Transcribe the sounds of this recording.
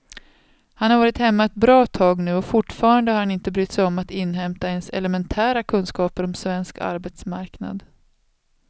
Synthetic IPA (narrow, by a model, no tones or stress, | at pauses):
hanhaɾvɑːɾɪt̪hɛmːaɛt̪̚bɾɑːt̪ʰɑːɡnʉ̟ːɔfʊʈːfɑːɾand̪əhaɾhanɪnt̪əbɾyːt̪ːsɛjɔmːat̪ɪnːɦɛmt̪aɛnsɛ̰lɛmɛnt̪ʰæːɾakʰɵnskɑːpəɾɔmsvɛnska̰ɾbɛt̪smaɾkna̰d̪